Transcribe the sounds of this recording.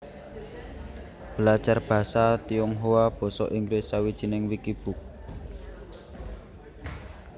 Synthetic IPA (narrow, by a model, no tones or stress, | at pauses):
b̥ə̤lḁd͡ʒ̥arb̥ä̤sat̪iɔŋɦowab̥ɔ̤sɔ̰ʔiŋɡɾɪsawid̥ʒ̥i̤nɪŋwikib̥ṳk̚